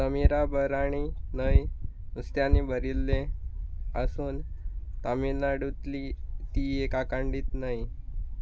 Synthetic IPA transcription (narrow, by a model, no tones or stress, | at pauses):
t̪əmiɾabəɾaɽ̃inəj | ust̪janibəɾilːe | əsuːnt̪aminaɽut̪lit̪iekakãɳɖiːt̪nai